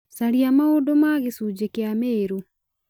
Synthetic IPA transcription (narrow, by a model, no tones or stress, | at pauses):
saɾiamaodomaɣesud͡ʑekeameːɾo